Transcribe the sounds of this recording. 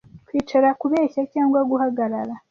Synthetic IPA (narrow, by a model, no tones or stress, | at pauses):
kwitʰelakuβeːçacaːŋɡwaɡuhaɡalala